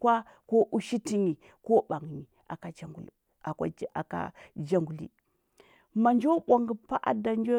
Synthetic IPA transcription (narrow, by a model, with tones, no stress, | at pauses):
kwa˦ | ko˦ʔu˦ʃi˦ti˦ɲi˨ | ko˦ɓa˨ŋ˨ɲi˨ | a̰˨ka˨d͡ʒa˨ŋɡṵ˨l | a˨kʷa̰˦a̰˨ka̰˦d͡ʒa˦ŋɡu˨lḭ˦ | ma˨nd͡ʒo˦ɓʷa˨ŋɡi˨pa˦ʔa̰˦da˨nd͡ʒo˦